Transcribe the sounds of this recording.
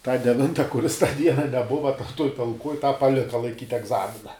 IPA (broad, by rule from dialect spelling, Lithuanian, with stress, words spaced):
tɑː dʲɛˈʋʲɪntɐ kʊˈrʲɪs tɑː ˈdʲiɛnɐ nʲɛˈbʊʋɐ tɐ tuɔj tɐlˠˈkuɔj ˈtɑː pɐˈlʲɪkɐ lˠɐɪˈkʲiːtʲ ɛɡˈzɑːmʲɪnɐ